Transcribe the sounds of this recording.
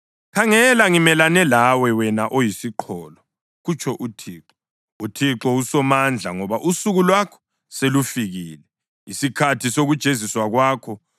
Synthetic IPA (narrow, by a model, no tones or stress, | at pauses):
kʰaŋɛlaŋimɛlanɛlawɛwɛnaʔojisiǃʰɔːlɔ | ɣut͡ʃʰɔʔutʰiːǃɔ | utʰiǃɔusɔmand͡ɮʱaŋɔβaʔusuɣulwakʰɔ̥ | selufiɣiːlɛ | isikʰatʰisoɣud̥ʒ̥ʱeziswaɣwaːkʰɔ